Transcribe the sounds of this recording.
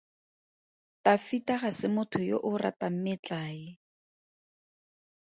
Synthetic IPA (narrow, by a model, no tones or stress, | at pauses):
tafitaχasɪmʊtʰʊjo̰ʔʊrʔa̰tam̩mɪt͡ɬaːɪ